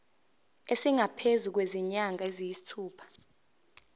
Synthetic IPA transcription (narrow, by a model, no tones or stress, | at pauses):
esiŋʱapʰezuk̬weziɲaŋɡʱaezijisi̥tʰuːpʰḁ